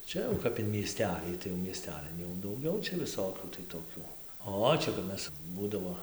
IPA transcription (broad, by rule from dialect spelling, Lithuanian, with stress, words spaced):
ˈt͡ʃʲɛ jɛʊ ˈkɐp ɪn mʲiɛˈsʲtʲæːlʲiː tɐɪ jɛʊ mʲiɛˈsʲtʲæːlʲɪn jɛʊ dɐʊˈɡʲɛʊ t͡ʃʲɛ ʋʲɪˈsoːkʲuː tɐɪ toːˈkʲuː ˈoː ˈt͡ʃʲɛ kɐp ˈmʲɛs ˈbuːdɐʋoː